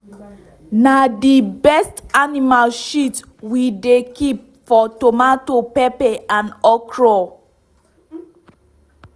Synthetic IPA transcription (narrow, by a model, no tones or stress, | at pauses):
nadibɛstanimalʃit | widekip̚fɔtomatopɛpɛʔãnɔkɹɔ